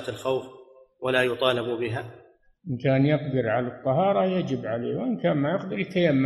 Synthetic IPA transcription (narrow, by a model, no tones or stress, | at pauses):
t̪alxawf | walaːjʊt̪ˤɑːlɪbbɪɦaː | ʔɪnkaːnjɪqd̪ɪɾʕalat̪ˤːɑɦɑːɾˤɑjad͡ʒɪbʕalḛːwʔɪnkaːnmajɪq̚d̪ɪɾɪlkajamː